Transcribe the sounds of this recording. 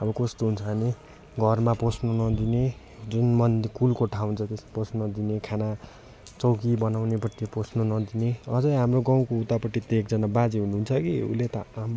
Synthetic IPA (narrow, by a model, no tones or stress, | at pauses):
ʌbʌkost̪oɦunt͡sʰʌni | ɡʱʌrmaposnonʌd̪ine | d͡zunmʌnd̪kulkoʈʰaw̃nt͡sʰʌt̪esaposnʌd̪inekʰana | t͡sʌwkibʌnawnepʌt̪jiposnonʌd̪ineʌd͡zʌjɦamroɡaw̃kout̪apʌʈːit̪eːk̚d͡zʌnabad͡ziɦunuunt͡sʰʌkiṵlet̪ʌam